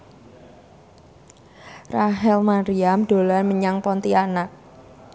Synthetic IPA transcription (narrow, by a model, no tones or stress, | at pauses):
raɦɛlmaɾiamdo̤lanməɲaŋpɔnt̪ianak̚